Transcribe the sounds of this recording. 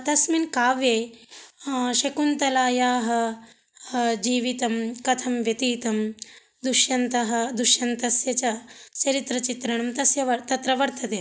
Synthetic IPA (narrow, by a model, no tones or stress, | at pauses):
t̪ɐsminkaːʋeː | ʃɐkunt̪ɐlaːjaːɦɐ̆ | d͡ʒiːʋit̪ɐmkɐt̪ʰɐmʋjɐt̪iːt̪ɐm | d̪uʃjɐnt̪ɐɦɐ̆d̪uʃjɐnt̪ɐsjɐt͡ʃɐt͡ʃɐɾit̪ɾɐt͡ʃit̪ɾɐɳɐmt̪ɐsjɐʋɐt̪ɐt̪ɾɐʋɐɾt̪ʰɐd̪eː